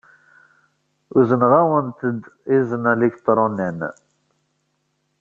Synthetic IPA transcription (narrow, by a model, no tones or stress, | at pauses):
uzənʁawənt̪əd̪izənælikt̪ːɾˤonin